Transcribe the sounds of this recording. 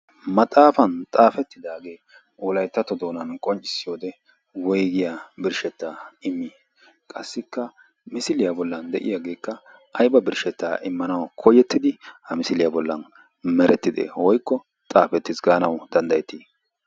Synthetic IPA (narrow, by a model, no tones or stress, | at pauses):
mɐt̪ʼaːfɐnt̪ʼaːfɛt̪ːɪd̪aːɡe̞ː | ɔlɐjt̪ːɐt̪ɔd̪o̞ːnɐnkʼɔnt͡ʃʼːɪ̥sːɪjoːd̪ɛ | wɔjɡɪjabɪɾʃɛt̪ːaːɪmːiː | kʼɐsːɪkːɐ | mɪsɪlɪjabɔlːɐnd̪ɛʔɪ̰jaɡe̞ːkːɐ | ʔɐjbɐbɪɾʃɛt̪ːaːʔɪmːɐnɐwkʰɔjɛt̪ːɪd̪ɪhɐmɪsɪlɪjabɔlːɐ̰n | mɛɾɛt̪ːɪd̪ḛːwɔjkːɔ | t̪ʼaːfɛt̪ːɪsɡaːnɐwd̪̥ɐnd̪ɐjɛt̪ːiː